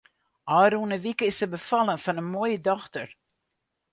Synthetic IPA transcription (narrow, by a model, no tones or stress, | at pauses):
ʔɑːɾunəvikəɪsəbəfɑlˠənfɑnənmoːjədɔχtər